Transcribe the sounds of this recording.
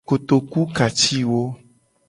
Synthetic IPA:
o˨t̪o˨ku˦ka˨t͡ʃi˦wo˦

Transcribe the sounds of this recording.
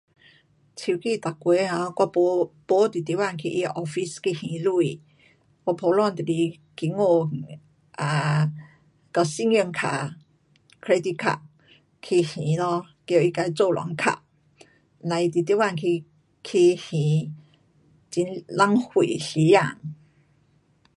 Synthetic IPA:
t͡ɕʰi˧˩ki˧t̪a˨˩kwe˨˦hã˧˦kwa˧ppo˧˦t̪i˨t̪i˧˥˦wa˥˨nkʰḭ˧ʔi˧ʔɔ˧fi˦ski˧˨hĩ˨˦lu˥˧i˨ | kwa˥˧˩pʰo˧˦lwa˥˨nt̪i˨li˧ | ki˧˦ŋo˥˧˨ | a˨˧ | ka˧˩si˧˨ŋə˧ŋkʰa̰˧˩ | kʰɾe˧˦d̪i˧kʰa̰˧˩ | kʰi˧hĩ˨˦lɔ˧ | ko˧˨i˧ka˧jt͡so˥˧˨lwa̰˨˦ŋkʰa̰˧˩ʔ | nã˨˧˨i˧t̪i˨t̪i˧˦wa˥˧˨ŋkʰi˧ | kʰi˧hĩ˨˦ | t͡ɕi˧˦nla˧˥ŋhwḭ˨ɬi˨˦ja˥˧˨ŋ

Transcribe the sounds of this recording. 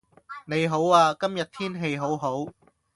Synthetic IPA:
ne˨˧jɦo˨˥waː˧kɐ˥mjɐ˨t̚t̪ʰiː˥nɦe˧jɦo˨˥wɦo˨˥w

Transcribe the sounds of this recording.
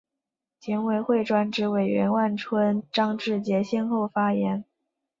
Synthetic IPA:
t͡ɕʰjɛ˧˥nwe˧˩ɪxwe˥˩ɪʈ͡ʂwa˥nʈ͡ʂɻ̩˧˥we˨˩ɪɥɛ̰˧˥nwa˥˩nʈ͡ʂʰwə˥nʈ͡ʂɑ˥ŋʈ͡ʂɻ̩˥˩t͡ɕjɛ˧˥ɕjɛ˥nxo˥˩ʊfa˥jɛ˧˥n

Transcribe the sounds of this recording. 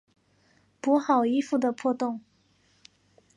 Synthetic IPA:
pu˧˥xɑ˨˩ʊi˥fu˥˩d̪ə˩pʰwɔ˥˧t̪ʊ˥˩ŋ

